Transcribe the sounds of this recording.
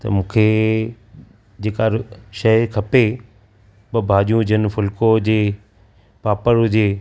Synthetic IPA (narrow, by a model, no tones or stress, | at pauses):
t̪ɐ̰mũːkʰe | d͡ʑeːkaɾʃɐɦkʰɐpe | ɓɐbʱaːʄijũd͡ʑʱənɪ̆fʊlkod͡ʑeː | paːpəɾʊd͡ʑeː